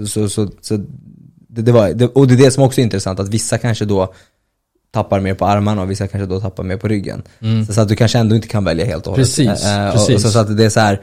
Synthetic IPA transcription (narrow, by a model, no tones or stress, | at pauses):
sɔsɔsɔ | d̪ɛd̪ɛvaɾd̪ɛɔd̪ɛd̪ɛsɔmɔksɔɛɾɪnt̪ɾɛsant̪at̪vɪsːakʰanʂəd̪ɔː | t̪ʰapːaɾmeːɾpʰɔaɾmanaɔvɪsːakʰanʂəd̪ɔt̪ʰapːaɾmeːɾpʰɔɾʏɡːə̰n | sɔsɔat̪̚d̪ɵkʰanʂəɛnd̪ɔɪnt̪ːəkʰanvɛljahḛːlt̪ɔhɔlːɾəi | ɔsɔat̪d̪ɛːsɔhæːɾ